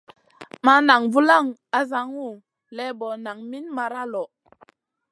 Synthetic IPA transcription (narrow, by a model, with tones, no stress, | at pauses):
ma˦na˨ŋvu˦la˦˨ŋa˨za˦ŋu˦˨ | lɛ˦bɔ˨na˨ŋmi˦nma˧ɾa˦lɔ˨